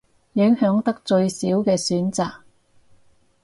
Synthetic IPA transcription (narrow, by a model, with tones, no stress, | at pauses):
jɪ˨˥ŋhœː˨˥ŋt̪ɐ˥k̚t͡ʃɵ˧ɥsiː˨˥wkɛː˧syː˨˥nt͡saː˨k̚